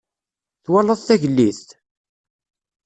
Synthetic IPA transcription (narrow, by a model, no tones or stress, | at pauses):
θwælːəðˤθæʝəlːiθt̪